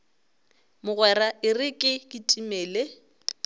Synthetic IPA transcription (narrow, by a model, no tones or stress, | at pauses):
mʊɣwɛɾaɪrɪkʼɪkʼɪtʼimɛːle